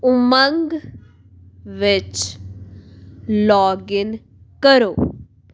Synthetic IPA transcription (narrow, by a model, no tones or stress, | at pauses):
ʊməŋɡ | ʋɪt͡ʃ | lɔːɡɪn | kəɾoː